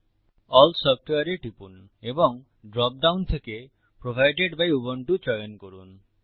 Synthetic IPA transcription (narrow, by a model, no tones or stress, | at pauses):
ɔlsɔp̚ʈoaɾeʈipun | ebɔŋ | ɖɾɔp̚ɖawnt̪ʰeke | pɾobʱajɖeɖbajubɔɳʈut͡ʃɔjɔnkoɾun